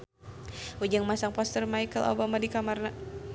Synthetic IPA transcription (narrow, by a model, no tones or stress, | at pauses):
ʔud͡ʒaŋmasaŋpɔst̪ərmajkəlʔo̰bamadikamarna